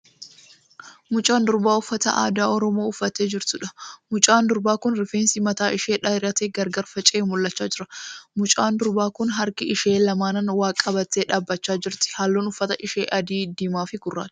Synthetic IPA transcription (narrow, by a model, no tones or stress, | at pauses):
mʊt͡ʃʼaːnd̪ʊɾbaːʊfːɐt̪ɐ̰ʔa̰ːd̪aːɔɾɔmo̞ːʊfːɐt̪eːd͡ʒɪɾt̪ʊᶑɐ̥mʊt͡ʃʼaːnd̪ʊɾbaːkʊnɾɪfeːnsɪmɐt̪aːʔɪʃeːᶑaːjɪɾɐt̪eːɡɐɾɡɐɾfɐt͡ʃʼeːmʊlːɐt͡ʃːaːd͡ʒɪɾɐmʊt͡ʃʼaːnd̪ʊɾbaːkʊnɦɐɾkɪɪʃe̞ːlɐmaːnɐnwaːkʼɐbɐt̪ːeːᶑaːbːɐt͡ʃːaːd͡ʒɪɾt̪ɪ̥haːlːoːnʊfːɐt̪ɐʔɪʃeːʔɐd̪iːd̪imaːfɪɡʊrːa̰ːt̪